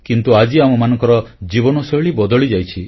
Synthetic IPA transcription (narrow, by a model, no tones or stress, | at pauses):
kint̪uad͡ʒiamumanɔ̃ŋkɔɾɔd͡ʒibɔnɔsɔjɭibɔd̪ɔɭid͡ʒajt͡ʃʰi